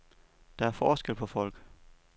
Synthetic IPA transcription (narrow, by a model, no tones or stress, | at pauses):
d̥ɑ̈æɐfɒːsɡ̥el̰pʰɒ̽fɒ̽l̰ɡ̥